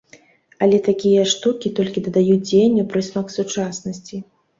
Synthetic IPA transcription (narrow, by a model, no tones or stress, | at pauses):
ɐlʲɛt̪akʲijɐʂt̪ukʲit̪ɔlʲkʲid̪ɐd̪ajud͡zʲenʲːipɾɨsʲmɐksut͡ʂasnɐsʲt͡sʲi